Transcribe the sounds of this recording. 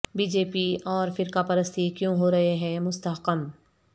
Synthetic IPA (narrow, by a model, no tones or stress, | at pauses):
biːd͡ʒeːpiɔːɾfɪɾkapɐɾəst̪ikjõɦoːɾɐɦeɦɛ̃ːmʊst̪əɦqəm